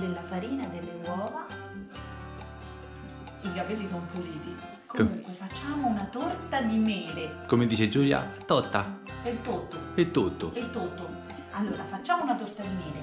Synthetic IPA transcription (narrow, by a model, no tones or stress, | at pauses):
d̪elːafaɾiːnad̪elːenwɔːva | iɡapɛlːisɔnopuɾiːt̪i | komuŋkwefat͡ʃːaːmʊunat̪ort̪ad̪imɛːɾekomed̪iːt͡ʃed͡ʒuːlja̰t̪ɔt̪ːa | et̪ːot̪ːoɛt̪ːot̪ːo̰et̪ːot̪ːo | alːoːɾafat͡ʃːaːmounat̪ort̪ad̪imɛːɾe